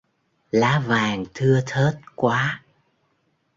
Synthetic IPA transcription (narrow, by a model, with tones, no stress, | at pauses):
laː˨˦vaː˨˩ŋt̪ʰɨ˧ət̪ʰəː˦˥t̚kwaː˨˦